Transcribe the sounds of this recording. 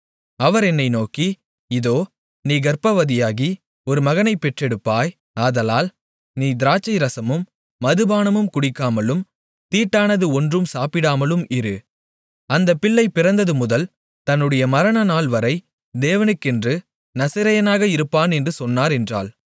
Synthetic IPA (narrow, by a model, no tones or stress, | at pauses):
ɐʋɐɾɛnːɐɪnoːki | ɪðoː | niːɡɐɾpɐʋɐðɪjaːɣi | ɔɾɯmɐɣɐnɐɪpːɛʈrɛɽɯpːaːj | aːðɐlaːl | niːd̪ɪɾaːt͡ʃːɐɪɾɐsɐmɯmː | ɐðɯbaːnɐmɯmkʊɽɪkːaːmɐlɯm | t̪iːʈːaːnɐðɯɔndrɯmsaːpɪɽaːmɐlɯmɪɾɯ | ɐnd̪ɐpːɪɭːɐɪpɪɾɐnd̪ɐðɯmʊðɐl | t̪ɐnːɯɽɐjɐmɐɾɐnɐnaːɭʋɐɾɐɪ | d̪eːʋɐnɯkːɪndrɯ | nɐsɐɾɐjɐnaːɣɐɪɾɯpːaːnɛndrɯsɔnːaːɾɛndra̰ːl